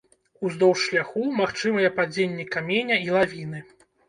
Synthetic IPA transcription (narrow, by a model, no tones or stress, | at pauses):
uzd̪ɔwʂlʲaxumaxt͡ʂɨmɐjɛpad͡zʲenʲːɛkamʲenʲɐilˠavʲinɨ